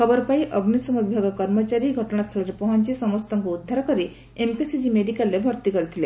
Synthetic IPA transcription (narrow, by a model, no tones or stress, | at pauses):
kʰɔbɔɾɔpajʔɔɡnisɔmɔb̪ʱjɔɡɔkɔɾmɔt͡ʃaɾiɡʱɔʈɔɽ̃ast̪ʰɔlɔɾepɔɦɔnt͡ʃisɔmɔst̪ʰɔŋkuːd̪ʱːaɾɔkɔɾi | empisid͡ʒimeɖikalːebʱɔɾt̪ikɔɾit̪ʰile